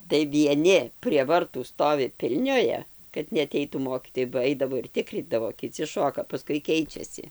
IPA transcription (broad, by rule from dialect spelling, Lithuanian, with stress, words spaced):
tɐɪ ʋʲiɛˈnʲɪ pʲrʲiɛ ʋɐrˈtuː ˈstoːʋʲɪ ˈpʲɪlʲnʲoːjɛ kɐt nʲɛɐˈtʲɛɪtuː ˈmoːkʲiːtoːjɛɪ bɐ ˈɐɪdɐʋoː ɪr ˈtʲɪkrʲiːdɐʋoː kʲɪˈt͡sʲɪ ˈʃoːkɐ pɐˈskʊɪ ˈkʲɛɪt͡ʃʲɛsʲɪ